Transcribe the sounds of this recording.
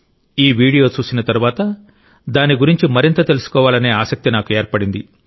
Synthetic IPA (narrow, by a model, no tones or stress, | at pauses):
iːʋiːɽijo̞ːt͡ʃuːsinɐt̪ɐɾuʋaːt̪ɐ | d̪aːniɡuɾiɲt͡ʃimɐɾint̪ɐt̪e̞lusu̥kɔːʋaːlɐne̞ːaːsɐk̚t̪inaːkueːɾpɐɽind̪i